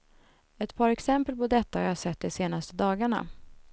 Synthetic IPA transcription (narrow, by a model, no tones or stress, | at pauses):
ɛt̪pʰɑːɾɛksɛmpəlpɔd̪ɛt̪ːahaɾjasɛt̪̚ːd̪ɛseːnast̪əd̪ɑːɡaɳa̰